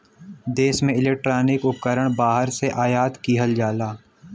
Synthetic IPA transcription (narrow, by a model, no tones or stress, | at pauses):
d̪eːsmẽɪleːk̚ʈɾaːnɪkʊp̚kəɾəɽ̃baːɦəɾseʔaːjaːt̪kiɦəld͡ʒaːlaː